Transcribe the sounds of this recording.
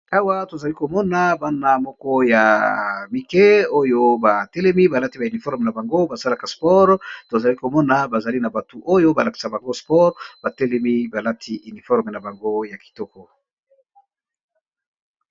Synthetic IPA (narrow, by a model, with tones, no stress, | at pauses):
a˦wa˦to˨za˨li˦ko˨mɔ˦na˨ba˦na˨mɔ˦kɔ˦ja˨mi˨kɛ˦o˦jo˦ba˨tɛ˦lɛ˦mi˦ba˨la˦ti˦ba˨y˨ni˨fɔ˦ʁm˨na˨ba˨ŋɡo˦ba˨sa˦la˨ka˨spɔ˦ʁto˨za˨li˦ko˨mɔ˦na˨ba˨za˨li˦na˨ba˨tu˨ʔo˦jo˦ba˨la˨ki̥˨sa˨ba˨ŋɡo˦spɔ˦ʁba˨tɛ˦lɛ˦mi˦ba˨la˦tʰi˦ʔy˨ni˨fɔ˦ʁme˨na˨ba˨ŋɡo˦ja˨ki̥˨tɔ˦kɔ˨